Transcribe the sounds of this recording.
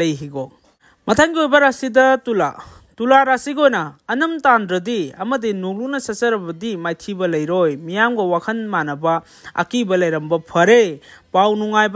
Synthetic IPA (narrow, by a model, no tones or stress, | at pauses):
lɐjɦiɡo | mɐtʰaŋɡiojbɐɾasidɐtula̰ | tulaɾasiɡojnɐːnɐmtandɾɐdiɐmɐdinuŋlunɐsɐsɐɾɐbɐdimajtʰibɐlɐjɾojmijamɡɐwakʰɐnmanɐbɐ | ɐ̰kibɐlɐjɾɐmbɐpʰɐɾepawnuŋajb